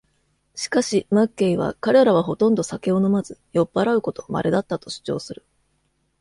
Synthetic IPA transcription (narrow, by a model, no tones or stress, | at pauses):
ɕi̥kaɕimakːe̞iβa̰kaɾe̞ɾaβ̞aɦo̞t̪õ̞nd̪o̞sake̞ono̞mazɨjo̞pːaɾaɯ̟ko̞t̪o̞ma̰ɾʔe̞d̪at̪ːat̪o̞̥ɕi̥t͡ɕo̞ːsɨɾɯ̟